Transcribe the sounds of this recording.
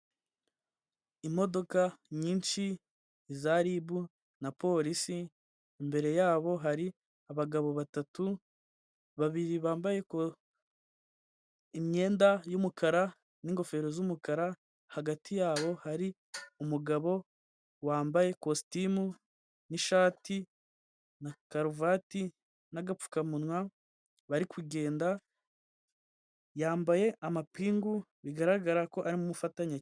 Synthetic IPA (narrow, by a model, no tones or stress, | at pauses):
imo̞do̞kaɲiːnʃiː | zaɾibu | napo̞ɾisiː | mbe̞ɾe̞jaːβo̞ɦaɾi | aβaɡaβo̞βatatu | βaβiɾiβaːmbaje̞k | imɲe̞ːndajumukʰaɾa | niŋɡo̞fe̞ːɾo̞zumukaɾa | haɡatʰijaːβo̞haɾi | umuɡaβo̞ | waːmbaje̞kositimu | niʃaːti | nakaɾuvati | naɡap͡fu̥kamunwa | βaɾikwiɡe̞ːnda | jaːmbaje̞ʔamapiːŋɡuβiɡaɾaɡaɾako̞ʔaɾimumufataɲa